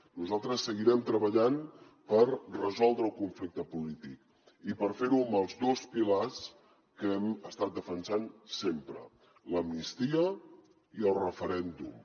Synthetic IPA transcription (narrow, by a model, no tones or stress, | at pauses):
nuzalˠt̪ɾəsːəɣiɾɛmt̪ɾəβəʎan | pərrəzɔlˠd̪ɾəːlˠkuɱflik̚t̪əpulit̪ik | ipəɾfeɾuəməlˠzd̪ospilas | kɛməst̪at̪̚d̪əfənsansempɾə | ləmnist̪iə | iəlˠrəfəɾɛnd̪ṵm